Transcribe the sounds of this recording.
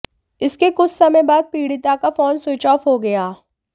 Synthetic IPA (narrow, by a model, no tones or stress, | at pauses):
ɪskekʊt͡ʃʰsɐməjbaːd̪̚piːɽit̪akafoːnsʊːt͡ʃɔːfɦoɡɐjaː